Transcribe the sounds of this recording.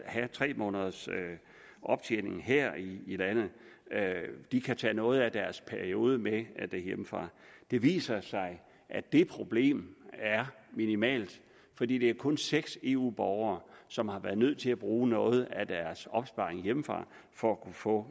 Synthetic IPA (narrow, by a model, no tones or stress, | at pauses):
hæt͡sʰʁɛ̰ːmɔ̰̽ːnəð̞ˠɐsø | ʔɒ̽b̥̚t͡sʰḛːne̝ŋ̩ɦeɐ̰iːlæn̰ð̩ˠ | d̥ikʰæt͡sʰɛ̰ːnɔ̽ːð̞̩ˠæd̥æɐspʰæɐio̝ːð̞ˠəmed̥ejemfʁɑ̰̈d̥e̝ʋḭːsɐsɑ̈ɪ | ʔæd̥e̝pʰʁo̝b̥le̝̰ːmæɐ | minimɛ̰ːld̥ | fɒ̽d̥ḭːd̥e̝æɐkʰɔ̽nseɡ̥se̝ːṵːb̥ɒʊɐːsɒ̽mhɑ̈ʋæɐð̞ˠnøð̞̰ˠt͡sʰe̝læb̥ʁuːnɔ̽ːð̩ˠæd̥æɐsɒ̽b̥sb̥ɑ̈ːʁeŋjemfʁɑ̰̈ː | fɒækʰufɔ̰̽